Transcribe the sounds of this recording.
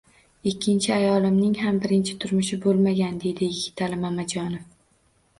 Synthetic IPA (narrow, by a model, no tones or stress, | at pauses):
ɪkʲʰːɪnt͡ʃʰɪajɒlɪmnɪŋɦambɪɾɪnt͡ʃʰɪ̥t̪ʰʊɾmʊʃɪbolˠmaɡʲand̪e̞d̪ɪjɪɡʲɪt̪ʰalɪmamad͡ʒɒnɪf